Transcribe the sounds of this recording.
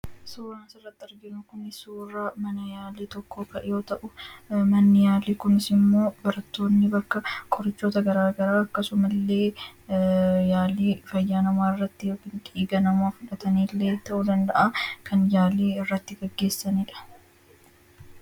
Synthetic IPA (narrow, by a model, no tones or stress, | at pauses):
suːɾaːnsɪrːɐt̪ːɪɐɾɡɪnʊkʊnɪsuːraːmɐnɐjaːliːt̪ɔkʰːoːkɐʔɪjo̞ːt̪ɐʔʊmɐnːɪjaːliːkʊnɪsɪmːo̞ːbɐɾɐt̪ːo̞ːnːɪbɐkːɐkʼɔɾɪt͡ʃːo̞ːt̪ɐɡɐɾaːɡɐɾaːɐkːɐsʊmɐlːe̞ː | jaːliːfɐjːaːnɐmaːɪrːɐt̪ːɪjoːkɪnᶑiːɡɐnɐmaːfʊᶑɐt̪ɐniːlːe̞ːt̪ɐʔʊd̪ɐnd̪ɐʔakʰɐnjaːleːɪrːɐt̪ːɪɡɛɡːe̞ːsːɐniːᶑɐ̥